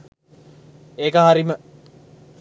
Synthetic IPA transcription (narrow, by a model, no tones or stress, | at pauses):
eːkəɦaɾimə